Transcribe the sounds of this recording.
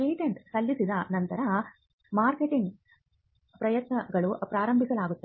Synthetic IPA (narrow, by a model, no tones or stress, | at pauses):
eːʈɐɳʈsɐlːisid̪ɐnɐnt̪ɐɾɐ | maːɾkeʈiŋɡ | pɾɐjɐt̪nɐɡɐɭupɾaːɾɐmbʱisɐɭaːɡut̪ːɐ